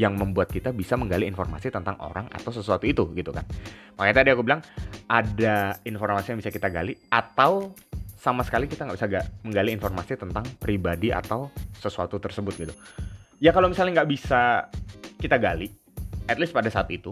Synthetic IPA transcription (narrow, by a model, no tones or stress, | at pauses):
jaŋməmbuat̪̚kit̪abisaməŋɡaliːnforma̰sit̪ənt̪aŋʔo̰ɾaŋa̰t̪awsəsuat̪uit̪uɡit̪ukanmakeat̪adiakubilaŋʔadainformasijaŋbisakit̪aɡa̰liat̪awsamasə̥kalikit̪aŋɡaʔbisaɡaməŋɡaliːnfɔrmasit̪ənt̪aŋpɾibadia̰t̪awsəsuat̪ut̪ərsəbʊt̪̚ɡit̪ujakalowmisalɲaŋɡaʔbisa | kit̪aɡali | ɛt̪list̪padasaːt̪it̪u